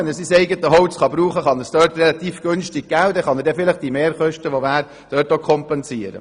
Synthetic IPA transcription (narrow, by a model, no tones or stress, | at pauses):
ɛnəsisɛɪɡət̪əɦɔʊt͡sχɑbɾuːχəχɑnəsd̥œːɾtrɛlɑt̪iːfɡ̥ønʃtɪɡ̚ɡ̥ælwdɛχɑnəɾdɛfɪləχd̥imeːɾχœʃtəʋoʋæːɾ | d̥œːɾtokʰχɔmpɛnsiːəɾə̰